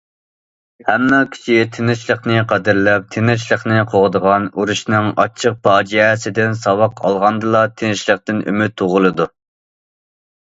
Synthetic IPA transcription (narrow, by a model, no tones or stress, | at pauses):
hɛmːɑkʲʰi̥t͡ʃʰit̪ʰenɪʃlˠəχnɨqʰæd̪ɪɾlɛp̚t̪ʰenɪʃlˠəχnɨqʰoʁd̪əʁɑnuɾuʃnɨŋɑ̰t͡ʃʰəq̚pɑːd͡ʒɛɛsɪd̪ɪnsɑwɑqʰɑ̰lˠʁɑnd̪ɨlˠɑt̪ʰenɪʃlˠəqt̪ɪny̰myt̪ʰːoʁʊlˠɨd̪u